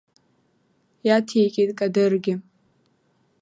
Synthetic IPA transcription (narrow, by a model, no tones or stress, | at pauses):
jatʰejkʲʼetʼkʼadɨrɡʲɪ